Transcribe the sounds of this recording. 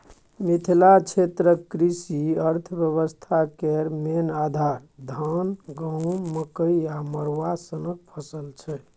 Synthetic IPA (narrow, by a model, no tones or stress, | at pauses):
mit̪ʰilat͡ʃʰet̪ɾəkːɾisiəɾt̪ʰəbjəβəst̪ʰakeɾmenad̪ʱaɾd̪ʱaənɡə̃wməkəjaməɾʋasənək̚pʰəsəlt͡ʃʰɛ